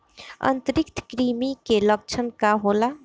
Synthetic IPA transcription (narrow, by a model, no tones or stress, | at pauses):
ə̰nt̪əɾikt̪ʰkɾimikelək̚t͡ʃʰənkaɦola